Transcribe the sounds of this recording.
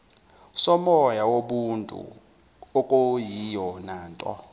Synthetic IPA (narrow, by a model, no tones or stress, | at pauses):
sɔmɔjawoɓuntʼṵ | ɔkʼojijɔnaːntʼɔ̰